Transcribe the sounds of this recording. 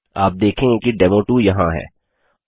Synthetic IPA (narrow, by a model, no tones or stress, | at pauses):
aːp̚d̪eːkʰẽkiɖɛːmoːʈujɐɦã̰ɦɛ̰ː